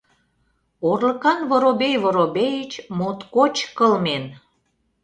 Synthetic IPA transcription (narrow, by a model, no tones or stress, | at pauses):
orlə̆kɑnvoɾobejβoɾobejət͡ɕmot̪kot͡ɕkəlmen